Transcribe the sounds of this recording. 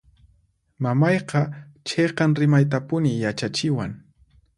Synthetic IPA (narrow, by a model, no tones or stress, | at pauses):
mamɑjqɑt͡ʃeqɑŋɾɪmajt̪̬apʊnɪjat͡ʃat͡ʃɪwaŋ